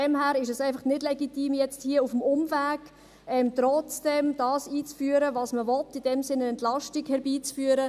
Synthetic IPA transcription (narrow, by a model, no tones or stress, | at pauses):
dɛmhæːɾɪʃɛsɛɪfɑχnɪdlɛɡitiːmjɛt͡sthiəufəmʊmvæːɡ̥ | ɛmt̪ɾɔt͡sd̥ɛmd̥ɑːsiːt͡sfyːəɾəvɑːsməvɔtːid̥ɛmsɪnəɛntlɑʃtiɡhɛɾbiːt͡sfyːəɾə